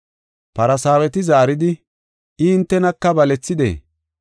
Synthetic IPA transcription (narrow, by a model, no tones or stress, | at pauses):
pɐɾɐsaːwɛt̪ɪzaːɾɪd̪ɪ | ʔɪːnt̪ːɛnɐkːɐbɐlɛt͡sːɪd̪ḛː